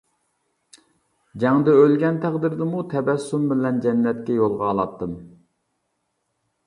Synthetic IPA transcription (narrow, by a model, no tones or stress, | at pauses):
d͡ʒɛŋd̪ɛølɡʲɛnt̪ʰæqd̪ɪɾd̪ɪmut̪ʰɛbɛsːumbɪlɛnd͡ʒɛnːɛt̪̚kʲɛjolˠʁɑːlˠɑt̪ːɨm